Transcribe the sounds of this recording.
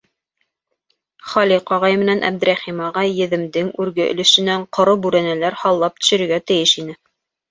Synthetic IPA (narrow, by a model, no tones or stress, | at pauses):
χɑliqɑʁɑjmɘ̆nænʔæ̰b̚d̪ɘ̆ɾæχimɑʁɑjjɘ̆ðɘ̆md̪ɘŋʉɾɡɘʔɵ̰̆lɘ̆ʃɘ̆næɴqŏɾobʉɾænælæɾhɑlˠːɑp̚t̪ɵ̥̆ʃɵ̆ɾɘ̆ɾɡæt̪ɘ̆jɘʃinɘ